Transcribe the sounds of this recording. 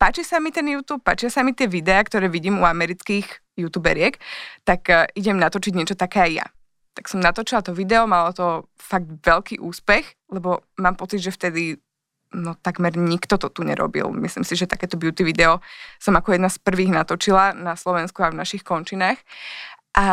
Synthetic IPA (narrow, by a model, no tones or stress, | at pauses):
paːt͡ʃisamit̪ɛnjuːt̪uːp̚ːa̰ːt͡ʃɪasamit̪ɪɛʋid̪ɛakt̪ɔɾɛːʋiɟiːmuamɛɾit͡skiːɣ | jut̪uːbɛ̰ɾɪɛkt̪akiɟɛmnat̪ɔt͡ʃiɟɲɪɛt͡ʃɔt̪akɛːajja̰ | t̪aksɔmnat̪ɔt͡ʃilat̪ɔʋid̪ɛɔmalɔt̪ɔ | faɡ̚d̪ʋɛʎkiːʔuːspɛx | lɛbɔmaːmpɔt͡sid̪ʒɛft̪ɛd̪i | nɔt̪aɡmɛɾɲikt̪ɔt̪ɔt̪uɲɛ̰ɾʔɔ̰bḭlˠmislḭmsiʒɛt̪akɛːt̪ɔbjut̪iʋid̪ɛɔsɔmakɔjɛd̪naspr̩ʋiːɣnat̪ɔt͡ʃilanaslɔʋɛnskuavnaʃixkɔnt͡ʃinaːxʔa